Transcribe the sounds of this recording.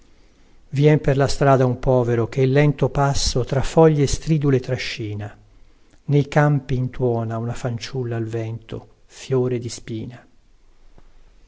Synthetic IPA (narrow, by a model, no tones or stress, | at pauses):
vjɛmperlast̪ɾaːd̪aumpɔːveɾok̟eilːɛnt̪opasːot̪ɾafɔʎːest̪ɾiːd̪ulet̪ːɾaʃːiːna | nejkampiːnt̪wɔːnaunafant͡ʃulːaːlvɛnt̪o | fjoːɾed̪ispiːna